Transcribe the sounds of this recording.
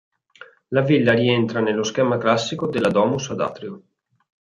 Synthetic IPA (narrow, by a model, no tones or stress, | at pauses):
lavilːaɾient̪ɾanelːoskɛːmaklasːikod̪elːad̪ɔːmusad̪a̰ːt̪ɾio